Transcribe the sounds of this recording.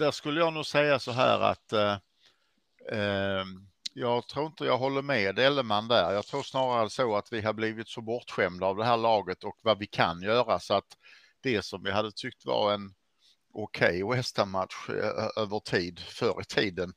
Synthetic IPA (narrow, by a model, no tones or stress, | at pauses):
d̪æʂkɵlːəjɑːɡnʉ̟ːsɛjːasɔɦæ̰ːɾa̰t̪ | jɑːɡt̪ʰɾuːɾɪnt̪əjɑːɡɦɔlːəɾmɛːd̪ɛlːəmand̪æɾjɑːɡt̪ʰɾuːɾsnɑːɾaɾəsoat̪vɪɦadbliːvɪt̪sɔbɔʈ̪ɧɛmd̪aːvd̪ɛɦæːɭɑːɡət̪ɔkvavɪkʰa̰njœːɾasɔat̪ | d̪̥ɛsɔmvɪɦad̪ːət̪ʰʏk̚t̪va̰ɾɛn | ʊkʰɛjɛst̪amat̪ɧʔøːvəʈʰiːd̪fœɾɪ̰t̪ʰiːd̪ən